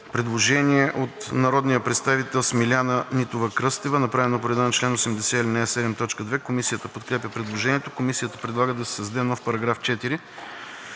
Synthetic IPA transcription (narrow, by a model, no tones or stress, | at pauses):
pɾɛd̪lˠoʒɛniɛʔot̪nɐɾɔd̪nijəpɾɛt̪st̪avit̪ɛlˠsmilʲanənit̪ovɐkɾɤst̪ɛvənɐpɾavɛnopoɾɛd̪anɐt͡ʃlɛnosɛmd̪ɛsɛilɛnaɛsɛd̪ɛmt̪ɔt͡ʃkəd̪vɛkomisijət̪əpot̪kɾɛpʲəpɾɛd̪lˠoʒɛniɛt̪okomisijət̪əpɾɛd̪lˠaɡəd̪ɐsɛ̥sɐzd̪ɛnɔfpɐɾɐɡɾaft͡ʃɛt̪iɾi